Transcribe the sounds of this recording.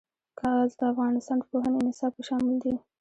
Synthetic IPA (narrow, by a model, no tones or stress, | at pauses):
kʰɑɣazd̪əafɣɑnɪst̪ɑnd̪əpoɦanonɪsɑbpəʃɑmɪld̪i